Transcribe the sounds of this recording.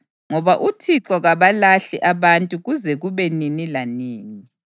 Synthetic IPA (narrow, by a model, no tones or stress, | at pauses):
ŋɔβaʔutʰiǁɔɣaβalaɬiʔaβantʼuɣuzɛɣuβɛninilaniːni